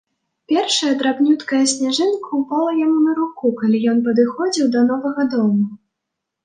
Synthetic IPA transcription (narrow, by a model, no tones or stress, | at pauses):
pʲɛrʂɐjɛɐd̪ɾabnʲut̪kɐjɐsʲnʲaʐɨnkʰɐupalˠɐjamunɐɾukukalʲijɔnp̬ɐd̪ɨxɔd͡zʲiwd̪ɐn̪ɔvɐɣɐd̪ɔmu